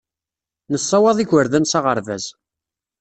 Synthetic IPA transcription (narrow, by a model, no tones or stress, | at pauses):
nəsˤːɑwɑðˤiçəɾðænsɑʁəɾvæ̰z